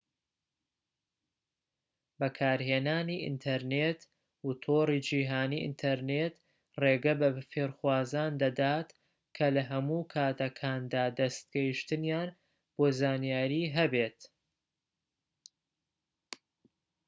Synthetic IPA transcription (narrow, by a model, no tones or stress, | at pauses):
bɐkʰaːɾheːnaːniːʔɪ̰nt̪ʰɐɾneːt̪ | wut̪ʰoːɾiːd͡ʒiːɦaːniːʔɨ̰nt̪ʰɐɾnet̪ | reːɡɐbɐfeːɾxwaːzaːnd̪ɐd̪aːt̪ | kʰɐlɐɦɐmuːkʰaːt̪ɐkʰaːnd̪aːd̪ɐst̪̚ɡ̥ɐjiʃt̪ɨnjaːn | b̥oːzaːnjaːɾiːɦɐbeːt̪